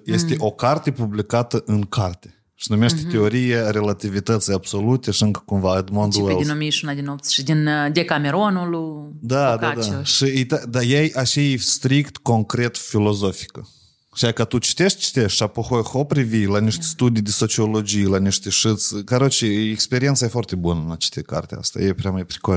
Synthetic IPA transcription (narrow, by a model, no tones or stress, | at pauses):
je̞st̪eʔo̞kart̪e̞publikat̪əʔɨŋkʰart̪ʲe̥ | ʃinumeʃt̪e̥t̪e̞o̞ɾijare̞lat̪ivit̪ət̪sijab̥so̞lut̪e̞ʃiɨŋkə̥kumvaəd̪mond̪uelʲnomiʃunad̪inopt̪ʃid̪ind̪ekameɾonulud̪ad̪ad̪aʃijt̪ad̪ajejaʃejst̪ɾikt̪ko̞ŋkɾe̞t̪filo̞zo̞fi̥kə | ʃijakat̪ut͡ʃi̥t̪e̞ʃt̪̚ʲt͡ʃi̥t̪eʃapoxojxopɾivilaniʃt̪ʲe̥st̪ud̪ijd̪eso̞t͡ʃio̞lo̞d͡ʒijlaniʃt̪ʲeʂɨt̪skaɾot͡ʃiekspeɾient̪sajefoart̪e̞bunəɨnat͡ʃe̥st̪eka̰rt̪ea̰st̪a̰jepɾeamajpɾiko